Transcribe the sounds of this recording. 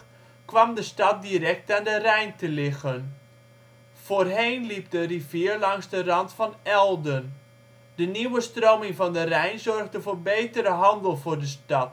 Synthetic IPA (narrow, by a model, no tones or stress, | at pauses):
kʋɑmdəstɑt̚dirɛk̚taːndərɛjntəlɪɣən | v̥oːrɦejnlip̚dərivɪːrlɑŋzdərɑntfɑnɛlˠdən | dəniwəstroːmɪŋvɑndərɛjnzɔrɣdəvoːrbejtəɾəɦɑndəlˠvʊːrdəstɑt